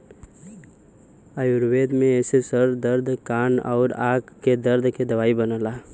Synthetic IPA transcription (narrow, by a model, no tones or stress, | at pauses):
əjʊɾweːd̪mẽesesəɾd̪əɾd̪ʱkaːnɔ̰ːɾaːkkːed̪əɾd̪ʱked̪ɐʋaːibənəːlaː